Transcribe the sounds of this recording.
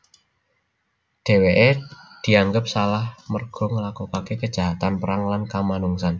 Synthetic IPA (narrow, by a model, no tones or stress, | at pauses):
ɖ̥e̤weʔed̪̥i̤aŋɡəp̚salahmərɡ̥ɔ̤ŋəlakokakekə̥d͡ʒ̥a̤ɦat̪anpəɾaŋlankamanuŋsan